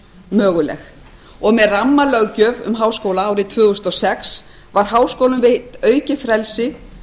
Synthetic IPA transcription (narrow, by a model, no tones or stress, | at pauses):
mœːɣʏlɛ̰x | ɔɣmɛðramːalœɣcœːvʏ̰mɦaːwskoːwlaaːwɾɪt̪ʰvʏːɣʏst̪ɔsɛks | vaɾ̥haːwskowlʏmvɪt̪œːɥcɪfɾɛlsɪ